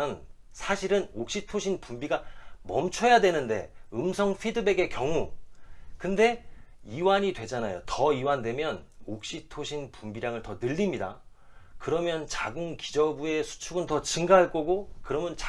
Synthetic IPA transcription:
ʌn | sʰaɕʰiɾɯnok̚ɕ͈itʰoɕʰinpumbiɡamʌmt͡ɕʰʌjadwe̞nɯnde̞̰ɯmsʰʌŋɸʰidɯbe̞ɡe̞kjʌŋu | kɯnde̞iwaɲidwe̞d͡ʑanajo̰tʌiwandwe̞mjʌnok̚ɕ͈itʰoɕʰinpumbiɾjaŋɯɭtʌnɯʎːimɲida̰ | kɯɾʌmjʌnt͡ɕaɡɯŋki̥d͡ʑʌbue̞sʰu̥t͡ɕʰuɡɯntʌt͡ɕɯŋɡaɦaɭk͈oɡokɯɾʌmjʌnt͡ɕa

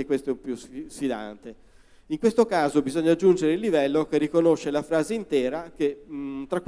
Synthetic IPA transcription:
ekːwest̪oɛumpjussid̪a̰nt̪e | iŋkwest̪okaːzobizoɲːad͡ʒːund͡ʒeɾeilːivɛlːok̟erːikonoʃːelafɾaːzeint̪ɛːɾaket̪ɾakː

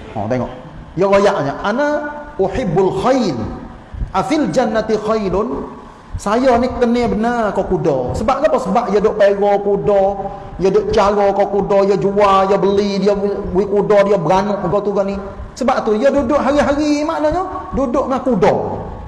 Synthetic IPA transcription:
ɔ̰t̪eŋɔ̰ʔ | jɔlojaʔɲaʔanauħɪbːalxajl | ʔafild͡ʒanːat̪ixajlʊn | sajɔnikənɛbənakɔkudɔ̰səbaʔ̚ɡabɔsəbaʔjɔdʊʔpeɡɔkudɔ | jɔdʊʔt͡ʃaɾɔkɔkudɔjɔd͡ʒuajɔbəlidiabuikudɔdiabəɾanʊʔɡɔt̪uɡani | səbaʔt̪ujɔdudʊʔɦaɾiɦaɾimaʔnɔɲɔdudʊʔmakudɔ̰

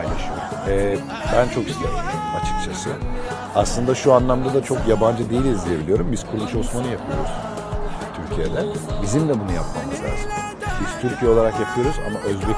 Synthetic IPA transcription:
jnaʃu | ɛː | bænt͡ʃʰo̞ki̥st̪ʲea̰b̪iɾmat͡ʃʰɯ̥k̚t͡ʃʰasɯ | aslˠɯnd̪aʃuanlˠamd̪ad̪at͡ʃʰo̞kjaband͡ʒɯd̪eilʲizd̪ʲije̞bilʲijo̞ɾumbiz̥kʰuɾmuʃosmanɯjapʰɯjo̰ɾuz̥ | t̪ʰyɾcʰijed̪ɛbizimlɛbunujapmamɯzlʲa̰ːzɯm | biz̥t̪ʰyɾcʰijɛlˠaɾakjapʰɯjo̞ɾuza̰maʔø̞zbɛ

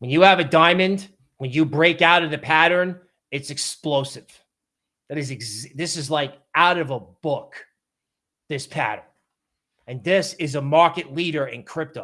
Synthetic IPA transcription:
wə̃njɨːvɨdãɪ̃mɨ̃nd | wɨ̃njɨbɹeɪkaʊɾʌvðɨpʰæɾə̃˞n | ɨtsɨksploʊsɨv̥ | ðɨɾɨzɡzðɪsɨzlaɪk | aʊɾʌvəbʊk | ðɪspʰæ̰ɾə̰̃˞n | ɨ̃nðɪsɪzəmɑɹkɨtˡliɾə˞ɨ̃nkʰɹ̥ɪp̚toʊ

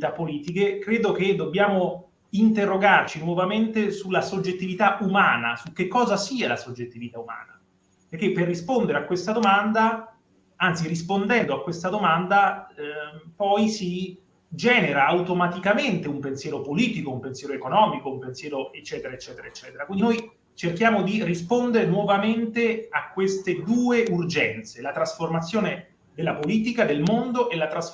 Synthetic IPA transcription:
t̪apːoliːt̪ikekɾeːd̪oked̪ːobjaːmo | int̪erːoɡart͡ʃinwɔvament̪esulːasod͡ʒːet̪ːivit̪aʔumaːnasuk̟ːekːɔːzasiːalasod͡ʒːet̪ːivit̪auma̰ːna | perk̟ːepːerːispond̪eɾeakːwest̪ad̪omand̪a | ant̪sirispond̪ɛnd̪oakwest̪ad̪omand̪a | pɔjsi | d͡ʒɛːneɾaːwt̪omat̪ikament̪eumpensjɛːɾopoliːt̪ikoumpensjɛːɾoekonɔːmikoumpensjɛːɾoet͡ʃːɛːt̪eɾaet͡ʃːɛːt̪eɾaet͡ʃːɛːt̪eɾakwindinoj | t͡ʃerkjaːmod̪irispond̪eɾenwɔvament̪eakːwest̪ed̪uːeurd͡ʒɛnt̪selat̪ɾasformat̪sːjoːne | d̪elːapoliːt̪̬ikad̪elmond̪oʔelːat̪ɾas

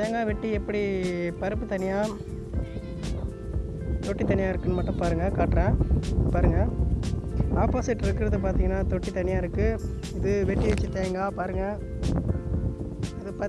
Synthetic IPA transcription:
t̪eːŋɡaːʋɛʈːiɛpːɐɽipɐɾɯpːɯt̪ɐnɪjaː | t̪ɔʈːit̪ɐnɪjaːɪɾɯkːɯnːɯmɐʈːɯ̃mpaːɾɯŋɡɐkaːʈːɾẽːpaːɾɯŋɡɐ | aːpaːsɪʈːɪɾɯkːɪɾɐðɯp̬aːɾt̪iːŋɡɐnːaːt̪ɔʈːit̪ɐnɪjaːɪɾɯkːɯ | ɪðɯʋɛʈːiʋɛt͡ʃːɯt̪eːŋɡaːpaːɾɯŋɡɐ | ɐðɯpa

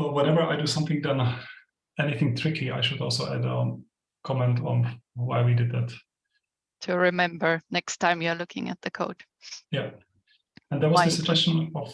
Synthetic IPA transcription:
lwɛ̃nɛvə˞ʔaɪdɨsʌ̃mθɪ̃ŋðə̃n | ɛniθɪ̃ŋt̪ʰɹ̥ɪkʰia̰ɪʃɨdɔ̰lˠsoʊʔæ̰də̰ | kʰɑmɛ̃ntn̩waɪwidɨd̪̚ðæt | tʰɨɹɪmɛ̃mbə˞nɛkstʰãɪ̃mjə˞lʊkʰɪ̰̃ŋɨ̰t̪̚ðɨkʰoʊd̥ | jæ | ɨ̃nðəwʌzðəsɨd͡ʒɛst͡ʃə̃nɔv̥

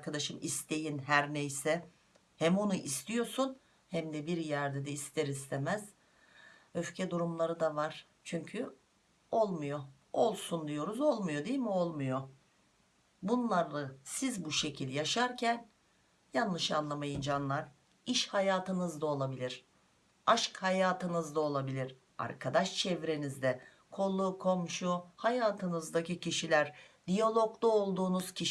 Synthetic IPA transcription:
ɾkʰad̪aʃɯmist̪ʰe̞jinɦæɾnejsɛ | hɛmo̞nuʔist̪ijo̞sun | hæmd̪ɛbiɾjæɾd̪ɛd̪ɛist̪ʰɛɾist̪ʰemæz̥ | ø̞fcʰɛd̪uɾumlˠaɾɯd̪avaɾ̥ | t͡ʃʰyɲcʰy | o̞lˠmujo̞ | olˠsund̪ijo̞ɾuzo̞lˠmujo̞d̪ijilʲmio̞lˠmujo̞ | bunlˠaɾˠasizbuʃe̞cʰilʲjaʃaɾcʰæn | janlˠɯʃanlˠamajind͡ʒanlˠaɾ̥ | iʃhajaːt̪ʰɯnɯzd̪ao̞lˠabilʲiɾ̥ | aʃkhajaːt̪ʰɯnɯzd̪ao̞lˠabilʲiɾ̥ | a̰ɾkʰad̪aʃt͡ʃʰɛvɾe̞nizd̪ɛ | kʰo̞lˠːuːkʰo̞mʃuhajaːt̪ʰɯnɯzd̪aciciʃilʲæɾ | d̪̥ijalˠo̞klˠuolˠd̪uːnuz̥cʰi

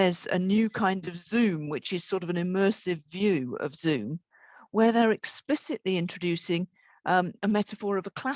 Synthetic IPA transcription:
əzə̰njʉːkʰãɪ̃ndəvzʉ̃ːmwɪt͡ʃɪz̥sɔɹɾʌvə̃nɪmɜˑsɪvjʉːə̰vz̥ʉ̃ːm | wəðəɹɛksplɪsɪʔliɪ̃nt͡ʃɹ̥ədʉˑsɪ̃ŋ | ʔəmɛtəfɔːɹəvəkʰl̥a

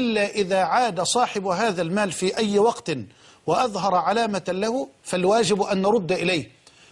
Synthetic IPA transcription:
ʔɪlːaːʔɪðaːʕaːd̪asˤɑːħɪbɦaːðalmaːlfiːʔajːwɑqt̪ | wɪʔɑðɦɑɾˤʕalaːmalahʊfalwaːd͡ʒɪbʔanːɑɾˤʊd̪ːʔɪlaːh

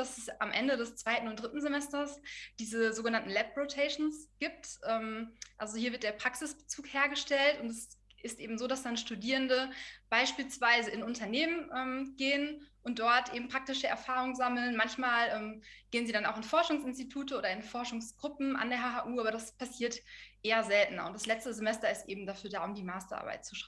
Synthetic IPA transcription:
d̥asɛsʔamʔɛ̰ndədɛst͡sv̥aɪtn̩ʊnt̚d̥ʁɪtn̩zemɛstɐsd̥iːzəzoːɡənantn̩lɛp̚ʁotʰɛɪʃn̩sɡ̥iːp̚tʔɛːmʔalzohiɐvɪɐt̚deːɐpʁ̥aksɪsb̥ə̥t͡suːkheːɐɡəʃtɛltʊntɛsʔɪstʔḛːbm̩zoːdasd̥anʃtudiːʁəndəb̥aɪʃpiːlsv̥aɪzəɪnʊntɐneːmənʔɛːmɡ̥eːənʔʊnt̚d̥ɔɐtʔḛːbm̩pʁ̥ak̚tɪʃəʔɛ̰ɐfaːʁʊŋənzaml̩nmançmaːlʔɛːmɡ̥eːənziːdanaʊxɪnfɔɐʃʊŋsɪnstitʰuːtəʔoːɾɐɪnfɔɐʃʊŋsɡ̥ʁʊpm̩ʔa̰ndeːɐhaːɦaʔuːaːbɐɾaspʰasiːɐtʔeːɐzɛltn̩ɐ̰ʊntd̥aslɛt͡stəzemɛstɐɪstʔeːbm̩dafyːɐdaːʊmdiːmaːstɐʔa̰ɐba̰ɪt̚t͡suʃ

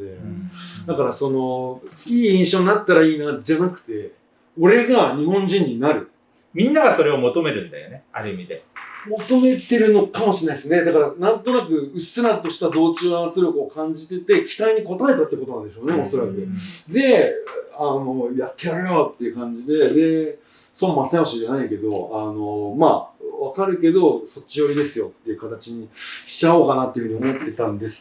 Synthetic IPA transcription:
d̪ḛd̪akaɾaso̞no̞iːĩɰ̃ɕo̞ːɲinat̪ːaɾaiːnad͡ʑanakɯ̟̥t̪e̞ | o̞ɾe̞ɡaɲ̟ihõ̞ɲ̟d͡ʑĩɲ̟ːinaɾɯ̟ | mʲĩnːaɡaso̞ɾe̞o̞mo̞t̪o̞me̞ɾɯ̟̃nd̪a̰jo̞̰ne̞a̰ɾɯ̟imʲid̪e̞̰mo̞t̪o̞me̞t̪e̞ɾɯ̟no̞kamo̞ɕinaisɨne̞d̪akaɾanãnt̪o̞nak̬ɯ̟ɯ̟sɨɾat̪o̞ɕi̥t̪ad̪o̞ːt͡ɕɨːβaːt͡sɨɾʲo̞kɯ̟okãɲ̟d͡ʑit̪e̞t̪e̞kʲi̥t̪aiɲ̟iko̞t̪aet̪at̪ːekot̪onãnd̪e̞ɕo̞ːneo̞so̞ɾakɯ̟d̪e̞ano̞jat̪ːe̞ɾaɡeat̪ːejɯ̟kãɲ̟d͡ʑid̪e̞d̪e̞ | sõ̞mːãsẽaɕiʑanaike̞d̪o̞ano̞maβakaɾɯ̟ke̞d̪o̞so̞t͡ɕːijo̞ɾʲid̪e̞sɨjo̞t̪ːe̞jiɯ̟kat̪at͡ɕiɲ̟iɕi̥ao̞ːkanat̪ːejɯ̟ɲ̟io̞mo̞t̪ːe̞t̪ãnd̪e̞sɨ̥

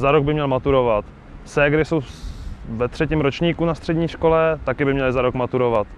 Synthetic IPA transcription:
zaɾoɡ̚bɪmɲɛlmat̪uɾo̞vat̪ | sɛɡɾɪso̞w | vɛt̪r̥ɛciːmɾo̞t͡ʃɲiːkunast̪r̝̥ɛdɲiːʃko̞lɛt̪akɪbɪmɲɛlɪzaɾokmat̪uɾovat̪

